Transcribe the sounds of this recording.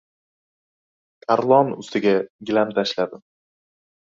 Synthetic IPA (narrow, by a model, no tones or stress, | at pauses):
t̪ʰaɾlˠɒnʊ̰st̪ɪɡʲaɡʲɪlamt̪ʰaʃlad̪ɪ